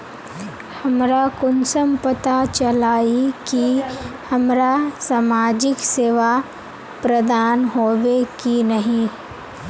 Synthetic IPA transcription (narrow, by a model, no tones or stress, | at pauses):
hɐmɾakʊnsəmpət̪at͡ʃɐlaːikihɐmɾasaːmaːd͡ʒɪkseːʋa | pɾɐd̪aːnɦoːʋekinɐɦĩ